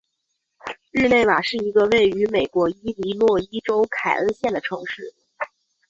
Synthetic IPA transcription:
ɻ̩˥˧ne˥˩ɪma˨˩ʂɻ̩˥˩i˧˥ɡə˧we˥˩ɪy˧˥me˨˩ɪkwɔ˧˥i˥li˧˥lwɔ˥˩i˥ʈ͡ʂo˥ʊkʰa˨˩ɪə˥˧ɕjɛ˥˩nd̪ə˩ʈ͡ʂʰɤ˧˥ŋʂɻ̩˥˩

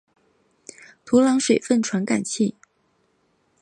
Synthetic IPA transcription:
t̪ʰu˧˥lɑ˧˥ŋʂwe˨˩ɪfə˥˩nʈ͡ʂʰwa˧˥nka̰˨˩nt͡ɕʰi˥˩

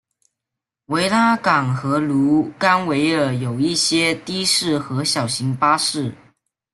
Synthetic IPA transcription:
we˧˥ɪla˥kɑ˨˩ŋxɤ˧˥lu˧˥ka˥nwe˧˥ɪə˨˩jo˨˩ʊi˥˩ɕjɛ˥t̪i˥ʂɻ̩˥˩xɤ˧˥ɕjɑ˨˩ʊɕi˧˥ŋpa˥ʂɻ̩˥˩

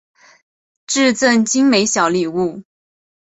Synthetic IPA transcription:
ʈ͡ʂɻ̩˥˧t͡sə˥˩nt͡ɕi˥ŋme˧˥ɪɕjɑ˨˧˥ʊli˨˩u˥˩

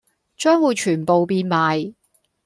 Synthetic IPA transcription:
t͡ʃœː˥ŋwuː˨˧jt͡ʃʰyː˨˩npo˨wpiː˧nmaː˨j

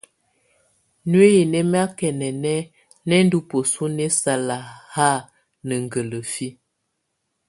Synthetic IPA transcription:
nwe˦je˨nɛ˦m˦a˦kɛ˨nɛ˨nɛ˦ | nɛ˦n˦du˦po˨su˦nɛ˦sa˨la˨ha˦˨ | nə˨ŋ˨ɡə˨lə˨fi˦

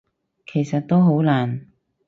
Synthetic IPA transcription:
kʰe˨˩jsɐ˨t̚t̪o˥wɦo˨˥wlaː˨˩n

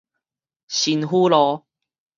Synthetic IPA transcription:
ɕi˨nɦu˦lɔ˨˦

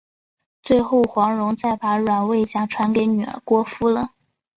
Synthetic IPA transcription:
t͡swe˥˧ɪxo˥˩ʊxwɑ˧˥ŋɻʊ˧˥ŋt͡sa˥˩ɪpa˧˥ɻwa˨˩nwe˥˩ɪt͡ɕja˥˩ʈ͡ʂʰwa˧˥nke˨˧˥ɪny˨˩ə̰˧˥kwɔ˥fu˥lə˨

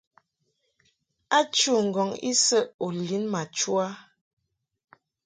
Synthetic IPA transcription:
a˦t͡ʃu˦˨ŋ̩˨ɡɔ˨ŋḭ˦sə˦ʔo˨li˨˦nma˨t͡ʃu˦a˦

